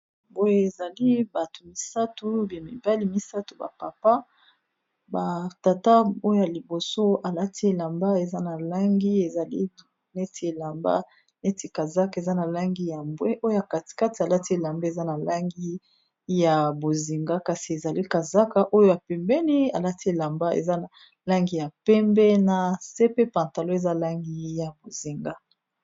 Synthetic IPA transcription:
bo˦je˦e˨za˨li˦ba˨tu˨mi˨sa˦tu˦bi˨ni˨ba˦li˦mi˦sa˦tu˨ba̰˨pa˨pa˦ | ba˨ta˨ta˦o˦jo˦ja˨li˨bo˨so˦a˨la˦tʰi˦e˨la˨mba˦e˨za˦na˨la˦ŋɡi˦e˨za˨li˦ | nɛ˦ti˨˦e˨la˨mba̰˦ | ne˦ti˨ka˨za˦ke˨za˦na˨la˦ŋɡi˦ja˨mbwɛ˦ʔo˦jo˦ja˨ka˨ti̥˨ka˦ti˨a˨la˦ti˦e˨la˨mba˦e˨za˦na˨la˦ŋɡi˦ | ja˨bo˨zi˨ŋɡa˦ka˨si˨e˨za˨li˦ka˨za˦ka˦ʔo˦jo˦a˨pɛ˨mbɛ˦ni˦a˨la˦ti˦e˦˨la˨mba˦ḛ˨za˦a˨ | la˦ŋɡi˦ja˨pɛ˦mbɛ˦na˨se˦pe˦pã˨nta˨lo˦e˨za˦la˦ŋɡi˦ja˨bo˨zi˨ŋɡa˦

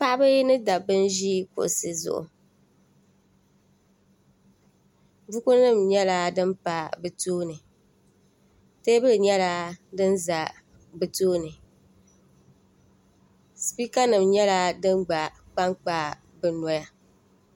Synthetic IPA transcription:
pa˦ʔbɨ˦nɨ˦da˨bɨ˦n˦ʒi˦kʊ̰˨ʔsɨ˦zʊ̰˦˨ʔʊ̰˨ | bu˦ku˦nɨ˦˨mɲɛ˦la˦dɨ˦mpa˦bɨ˨tuː˦nɨ˨ | te˦bɨ˦lɨ˨ɲɛ˦la˦dɨ˦nza˨ | bɨ˨tuː˦nɨ˨ | spi˦ka˦nɨ˨mɲɛ˦la˦dɨ˦mɡ͡ba˨ | k͡pa˦ŋk͡paː˦ | bɨ˨nɔ˦ja˦

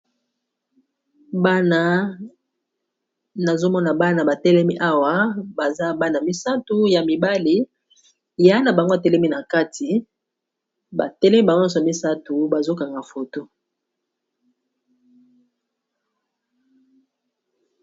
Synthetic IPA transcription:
ba˦na˦ | na˨zo˦mɔ˦na˨ba˦na˨ba˨tɛ˦lɛ˦mi˦ʔa˦wa˦ba˨za˦ba˦na˨mi˦sa˦tu˦ja˨mi˨ba˦li˨ | ja˦na˨ba˨ŋɡo˦a˨tɛ˦lɛ˦mi˦na˨ka˦ti˨ | ba̰˨tɛ˦lɛ˦mi˦ba˨ŋɔ̃˦sɔ˨a˨mi˦sa˦tu˨ba˨zo˦ka˨ŋɡa˨fo˨to˦

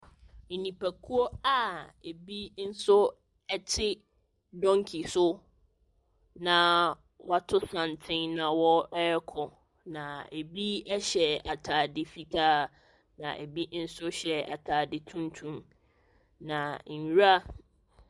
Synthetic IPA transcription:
nĩ˨pʰæ˨kʰu˦ɔ˦a˨e˨bi˦n̩˦sʊ˦ | ɛ˦t͡ɕʰɪ˦ | dɔ̃˦ŋ˦kʰi˨sʊ˦ | nã˨ | wa˨tʰʊ˦sã˨n˨tʰɪ̃˦ŋnã˨wɔ˦ɛ˦ɛ˦kʰɔ˨ | nã˨e˨bi˦ɛ˦ɕɛ˨a˨tʰaː˨dɪ˨fi˨tʰaː˦˨ | nã̰˨ʔe˨bi˦n̩˦sʊ˦ɕɛ˨a̰˨tʰaː˨dɪ˨tʰũ˦n˦tʰũ˦m | nã˨n̩˨˦ɾa˦

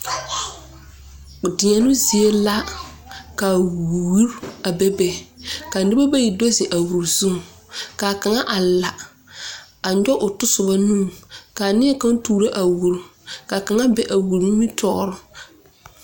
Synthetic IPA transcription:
dɪ˨ɲa˨nʊ˦zi˨e˦la˦ | ka˨wu˦ɾa˨bɛ˦be˦ka˨nɪ˦ba˦ba˦ji˨do˦zɪ˨ʔa˨wu˨ɾzu˦ŋ˨ka˨ka˨ŋa˦ʔa˨la˨ | a˨ɲɔ˦ʔʊ˨tʊ˦sʊ˨ba˦nũː˦˨ka˨nɪ˦ɛ˦ka˦n˦tuː˨ɾa˦ʔa˨wu˨ɾka˨ka˨ŋa˦bɛ˨ʔa˨wu˨ɾmi˦tʰɔ˦˨˦ɾʊ˦

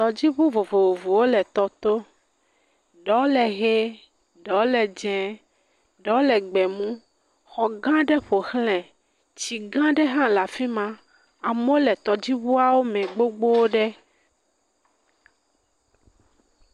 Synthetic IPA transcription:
t̪ɔ˨d͡ʑi˦βu˦vo˨vo˨vo˨vo˨wo˦lɛ˨t̪ɔ˨t̪o˦ | ɖɔ˨˦lɛ˨ɣe˦ | ɖɔ˨o˦lɛ˨d͡ʒɛ̃˨ | ɖɔ˨˦lɛ˨ɡ͡bɛ˨mũ˦ | xɔ˨ɡã˦ɖɛ˦ɸo˨xlɛ̃˨ | t͡ɕi˨ɡã˦ɖɛ˦ɦã˦la˨fi˦mã˦ | a˨mõ˦lɛ˨t̪ɔ˨d͡ʑi˦βu˦a˦wo˦mɛ̃˨ɡ͡bo˦ɡ͡bo˦wo˦ɖɛ˦

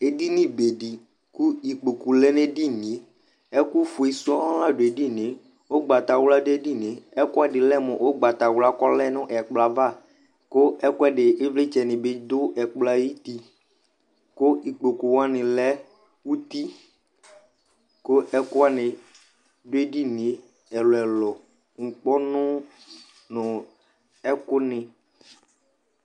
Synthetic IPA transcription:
e˨di˦nɪ̃˦be˨ɖi˨ | ku˦i˨k͡po˨ku˨lɛ˦nẽ˦ɖi˦nĩ˨˦ | ɛ˦ku˦fu˨e˨su˦ɔ˦a˦la˦ɖo˨e˨di˦nɪ̃˨˦ | wo˦ɡ͡ba˨t̪a˨wla˦de˦ɖi˦nɪ̃˨ɛ˦ku˦a˦ɖɪ˨lɛ˦mɔ̃˨ʔo˦ɡ͡ba˨t̪a˨wla˦kɔ˦lɛ˦nʊ̃˦ʔɛ˨k͡pla˨va˦˨ | ko˦ɛ˦ku˦a˦ɖɪ˨e˦vle˦t͡ʃɛ˨nɪ̃˨be˦d̪ʊ˦ɛ˨k͡pla˦ji˦t̪i˦ | ko˦i˨k͡po˨ku˨wa˦nɪ̃˨lɛ˦ | wu˦t̪i˦ | ko˦ɛ˦kʊ˦a˦nɪ̃˨ | do˦e˦ɖi˦ne˨ | ɛ˨lɔ˨ɛ˨lɔ˨ | ŋ̩˨k͡pɔ˦nʊ̃˦ | nʊ̃˨ | ɛ˦kʊ˦nɪ̃˨

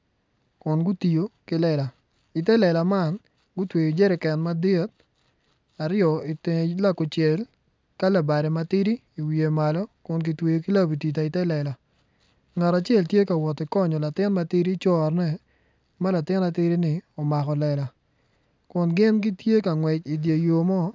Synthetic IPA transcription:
kʊ˨nɡʊ˦ti˨jo˨kɪ˦lɛ˦˨la˨ | ɪ˨tɛ˦lɛ˨la˨ma˦n | ɡʊ˦twe˨jo˨d͡ʒɛ˦ɾɛ˨kɛ˨nma˦de˦t̚ | a˨ɾɪjɔ˨ɪ˨te˨la˦ko˨t͡ʃɛ˨l | ka˦la˨ba˨ɾɛ˨ma˦tɪ˦ɾi˦ | i˨wi˨je˨ma˨lɔ˦kʊ˨nki˨twe˨jo˨ki˦la˦bi˨ti˨t̬a˨ɪ˨tɛ˦lɛ˨la˨ | ŋa˨ɾa˨t͡ʃɛ˦˨ltje˦ka˨wɔ˨tɪ˨kɔ˦ɲɔ˨la˨tɪ˦nma˦tɪ˦ɾi˦t͡ʃɔ˦˨rnɛ˦˨ | ma˦la˨tɪ˦na˨˦tɪ˦ɾi˦nɪ˨ɔ˨ma˨kɔ˨lɛ˨la˨ | kʊ˨nɡɪ˦nɡi˦tje˦ka˨ŋwɛ˨t͡ʃi˨dje˨jo˨mɔ˦

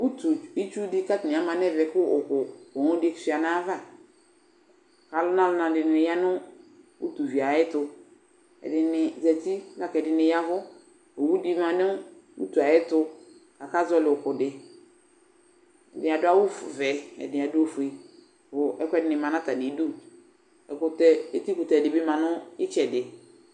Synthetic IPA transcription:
u˦tu˨i˦t͡ʃu˦dɪ˦ka˦tɪ˨nɪ̃˨a˨mã˨nɛ˦vɛ˨kʊ˦ʊ˨kʊ˨ɔ˨ŋʊ̃˦di˦ɛ˦ksi˨˦a˨nã˦va˦˨ | ka˨lʊ˦nã˦lʊ˨˦nã˨dɪ˨nɪ̃˨ja˦nʊ̃˦ | wṵ˦tu˨vi˨a˨ɪ˦tʊ˨ | ɛ̰˨dɪ˨nɪ˨zɛ˨ti˦na˦kɛ˨dɪ˨nɪ̃˨ja˦vʊ˦ | o˨wu˦di˦mã˨nʊ̃˦ṵ˦tu˨a˨ɛ˦tʊ˦ | ka˨ka˦zɔ˦lɪ˨ʊ˨kʊ˨dɪ˨ | ɛ˨dɪ˨a˨dʊ˦a˦wʊ˦fʊ̰˨vɛ˨ɛ̰˨dɪ˨a˨dʊ˦o˦fʊ˨e˨ | vʊ˨ʔɛ˦kʷɛ˦dɪ˨nɪ˨mã˨nã˦ta˨nɪ˨˦du˦ | ɛ˨kʊ˨tɛ˦e˦ti˦kʊ˨tɛ˨dɪ˨bɪ˦mã˨nʊ̃˦ɪ˦t͡ʃɛ˨dɪ˨

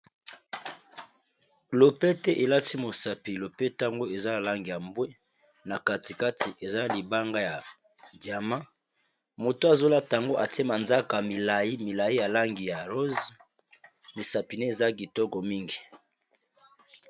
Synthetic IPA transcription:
lo˨pe˦tɛ˦ʔe˨la˦ti˦mo˨sa˨pi˨lo˨pe˦ta˦ŋɡo˦e˨za˦na˨la˦ŋɡi˨ja˨mbwe˦ | na˨ka˦ti˨ka˦ti˨ʔe˨za˦li˨ba˦ŋɡa˦ja˨ | dja˨ma˦ | mo˨to˦a˨zo˦la˦ta˨ŋɡo˦ʔa˨te˦ma˨nza˦ka˨mi˨la˨i˦mi˨la˨ji˦ja˨la˦ŋɡi˨ja˨ʁo˦z | mi˨sa˨pi˨ne˦e˨za˦ɡi˨tɔ˦kɔ˨mi˦ŋɡi˨

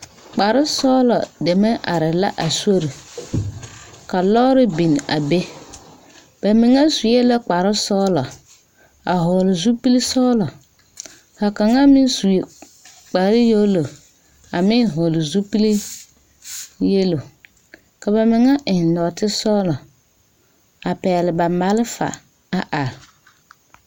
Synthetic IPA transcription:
k͡pa˨ɾɪ˦sɔ˦lɔ˨dɛ˨mɛ˦ʔa˨ɾɪ˨la̰˦ʔa˨so˦ɾi˨ | ka˨lɔː˦ɾɪ˦bi˨n˨a˨be˦ | b̥a˨mɪ˨ŋa˦su˨jɛ˦la˦k͡pa˨ɾɪ˦sɔ˦lɔ˨ | a˨ɦʊ˨lɪ˨zu˦pi˦li˦sɔ˦lɔ˨ | ka˨ka˨ŋa˦mɪ˦nsu˨ | k͡pa˨ɾɪ˦jo˦lo˨ | a˨mɪ˦nɦʊ˨lɪ˨zu˦pi˦li˦ | je˦lo˨ | ka˨ba˨mɪ˨ŋa˦ʔɪ˨lɔː˨tɪ˦sɔ˦lɔ˨ | a˨pɛː˨lɪ˨ba˨ma˨lɪ˦fa̰˨ | a˨ʔa˨ɾ

